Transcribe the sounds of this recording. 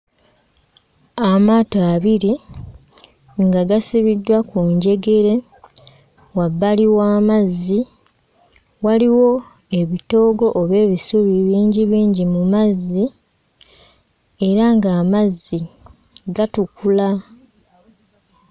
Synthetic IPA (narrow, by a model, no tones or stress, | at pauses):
amaːtaːβiɾi | ŋɡaɡasiβidːwakuɲɟe̞ɡe̞ɾe̞ | wabːaliwaːmazːi | waliwo̞ | e̞βito̞ːɡo̞ʔoβe̞ːβisuβiβiːɲɟiβiːɲɟimumazːi | e̞ɾaŋɡaːmazːi | ɡatukula